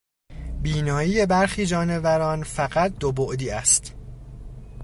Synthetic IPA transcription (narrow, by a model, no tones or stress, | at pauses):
biːnɒːiːje̞bæɾxiːd͡ʒɒːne̞væɾɒːnfæɣæt̪̚d̪oboʔd̪iːæst̪